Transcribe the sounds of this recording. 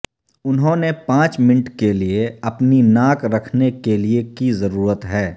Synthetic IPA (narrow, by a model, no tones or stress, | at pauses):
ʊnɦõːnepãːt͡ʃmɪnʈkelieɐpninaːkɾɐkʰnekeliekizɐɾuːɾət̪ɦɛː